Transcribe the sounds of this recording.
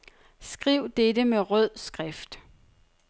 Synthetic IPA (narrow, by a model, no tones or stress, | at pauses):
sɡ̥ʁiʊ̰d̥edəmeʁœð̰ˠsɡ̥ʁafd̥